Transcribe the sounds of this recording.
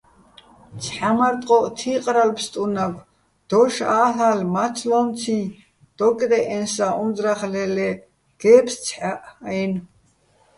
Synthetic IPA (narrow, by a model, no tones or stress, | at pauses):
t͡sʰħamaɾt̪ʼqʼɔʔt̪ʰiqʼɾalpʰst̪ʼunaɡ | d̪̥ɔʃaːɬalmat͡sʰlɔnt͡sʰi | d̪̥ɔkʼd̪ɛʔɛnsaʔunzɾaχlɛlɛ | ɡ̥ɛːpʰst͡sʰħaʔjn